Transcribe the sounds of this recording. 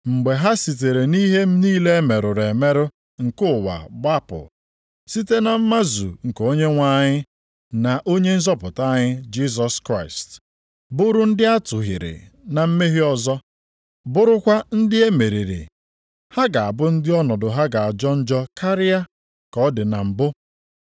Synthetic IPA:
ŋ͡m̩˨ɡ͡be˨ɦa˦si˨t̬e˨ɾe˨ni˦ɦe˦m̩˦niː˦le˦e˦me˨ɾʊ˨ɾe˨me˦ɾʊ˦ | ŋ̩˨kʊ˦˨wa̰˨ɡ͡ba˦pʊ̰˨ | si˦te˦na˨m̩˦ma˦zṵ˨ŋ̩˨ko˦ɲe˦ŋʷa˦ɲɪ˦ | na˨ʔo˦ɲe˦n̩˦zɔ˦pʊ˨ta˦ɲɪ˦d͡ʒi˦s̬ɔ˦skɾa˦˨ɪ˨st | bʊ˦ɾʊ˦n̩˦dɪ˦a˦tʊ˨ɦɪ̰˨ɾɪ̰˨na˨m̩˦me˦ɦɪ˦ɔ˦zɔ˦ | bʊ˦ɾʊ˦kʷa˦n̩˦dɪ˦e˦me˨ɾi˨ɾḭ˨ | ha˦ɡa˨a˨bʊ˦n̩˦dɪ˦ɔ˦nɔ˨dʊ˨ɦa˦ɡa˨a˨d͡ʒɔ˦n̩˦d͡ʒɔ˦kʰa˦ɾɪ˦a˦ | kɔ˦dɪ˨na˨m̩˨bʊ˦

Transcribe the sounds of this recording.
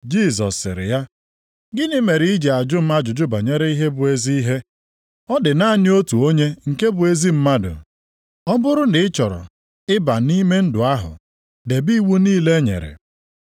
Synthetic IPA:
d͡ʒi˦˨zɔ̰˨sːɪ̰˨ɾɪ̰˨ja˦ | ɡɪ˦nɪ˦me˨ɾi˨˦i˦d͡ʒe˨a˨d͡ʒʊ˦m̩˦ma˦d͡ʒʊ˨d͡ʒʊ˦ba˨ɲe˦ɾe˦i˦ɦe˦bʊ˨e˦zi˦i˦ɦe˦ | ɔ˦dɪ˨na˦nɪ˦o˦tu˨o˦ɲe˦ŋ̩˨ke˦bʊ˨e˦zi˦m̩˦ma˦dʊ̰˨ | ɔ˦bʊ˦ɾʊ˦nɪ˨ɪ˦t͡ʃɔ˨ɾɔ̰˨ | ɪ˦ba˨ni˦me˦n̩˦dʊ˨a˦ɦʊ̰˨ | de˨bi˦wu˦niː˦le˦ɲḛ˨ɾḛ˨

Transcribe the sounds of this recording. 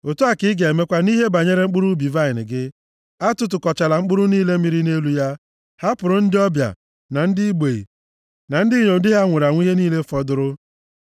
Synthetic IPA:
o˨tu˦a˨kɪ˦ɡe˨e˨me˦kʷa˦ni˦ɦe˦ba˨ɲe˦ɾe˦ŋ͡m̩˦k͡pʊ˦ɾu˦bi˨va˦ɪ˨nɪ̰˨ɡɪ˦ | a˦tʊ˦t̬ʊ˨kɔ˨t͡ʃa˨la˨ŋ͡m̩˦k͡pʊ˦ɾʊ˦niː˦le˦mi˨˦ɾi˦ne˦lu˦ja˦ | ha˦pʊ˨ɾʊ˨n̩˦dɪ˦ɔ˦bja̰˨ | na˨n̩˦dɪ˦i˦ɡ͡be˨ḭ˨ | na˨n̩˦dɪ˦ɲo˨n̩˨dɪ˦ɦa˦ŋʷʊ˨ɾa˨ŋʷ˦i˦ɦe˦niː˦le˦fɔ˦dʊ˦ɾʊ˦

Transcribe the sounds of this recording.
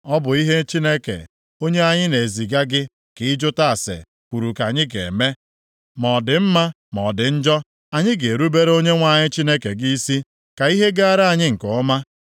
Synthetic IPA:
ɔ˦bʊ˨i˦ɦe˦t͡ʃi˦ne˦kḛ˨ | o˦ɲe˦a˦ɲɪ˦ne˨zi˨ɡa˦ɡɪ˦ | kɪ˨ɪ˦d͡ʒʊ˦ta˦a˨sḛ˨ | kʷu˨ɾu˨ka˨ɲɪ˦ɡḛ˨me˦ | mɔ˨dɪ˨m̩˦ma˦ | mɔ˨dɪ˨n̩˦d͡ʒɔ˦ | a˨ɲɪ˦ɡe˨ɾu˦be˦ɾo˦ɲe˦ŋʷa˨ɲɪ˦t͡ʃi˦ne˦ke˨ɡi˦i˦si˦ | ka˨i˦ɦe˦ɡa˦a˦ɾa˦a˨ɲɪ˦ŋ̩˨kʊ˨˦ma˦

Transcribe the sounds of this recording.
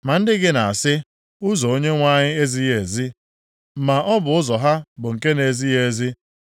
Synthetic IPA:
ma˨n̩˦dɪ˦ɡɪ˦na˨a˨sɪ˦ | ʊ˦zɔ˨o˦ɲe˦ŋʷa˦ɲɪ˦e˦zi˦je˨zi˦ | ma˨ʔɔ˦bʊ˨ʊ˦zɔ˨ɦa˦bʊ˨ŋ̩˨ke˦ne˨zi˦je˨zi˦

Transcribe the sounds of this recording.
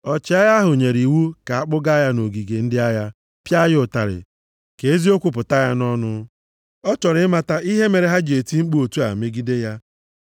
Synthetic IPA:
ɔ˨t͡ʃɪ˨˦a˦ja˦ɦʊ˨ɲe˨ɾi˨wu˦ka˨a˦k͡pʊ˦ɡa˦ja˦no˨ɡi˨ɡe˨n̩˦dɪ˦a˦ja˦ | pja˦jʊ˨ta̰˨ɾɪ̰˨ | ke˨e˦zi˦o˦kʷʊ˨p̬ʊ˨ta˦ja˦nɔ˦nʊ˦ | ɔ˦t͡ʃɔ˨ɾɪ˦ma˨ta˦i˦ɦe˦me˨ɾe˨ɦa˦d͡ʒe˨ti˦ŋ͡m̩˦k͡pu˦o˨tu˦a̰˨me˦ɡi˦de˦ja˦

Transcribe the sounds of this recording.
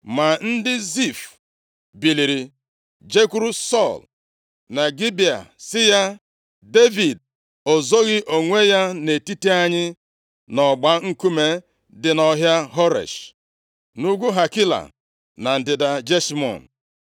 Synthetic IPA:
ma˨n̩˦dɪ˦zi˦˨f | bi˨li˨ɾi˨ | d͡ʒe˦ku˦ɾu˦sɔ˦˨l | na˨ɡi˦bi˨a̰˨sɪ˦ja˦ | de˦vi˨d̚ | o˨zo˦ɣɪ˦ʔo˨ŋʷe˦ja˦ne˨ti˦ti˦a˦ɲɪ˦ | nɔ˨ɡ͡ba˦ŋ̩˦ku˦me˦ | dɪ˨nɔ˦ɦja˦ɦɔ˦ɾḛ˨ʃ | nu˦ɡʷu˦ɦa˨kɪ˦la̰˨ | na˨n̩˨dɪ˨da˨d͡ʒe˦smɔ̰˨n˨

